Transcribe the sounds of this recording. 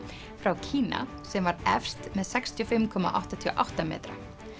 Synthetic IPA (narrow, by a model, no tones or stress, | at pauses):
fɾawcʰiːna̰ | sɛmvaɾɛfst̪mɛðsɛkst̪ʰjɔfɪmkʰɔma̰ʔa̰wht̪at̪ʰiɔ̰ʔawht̪amɛ̰ːt̪ɾa̰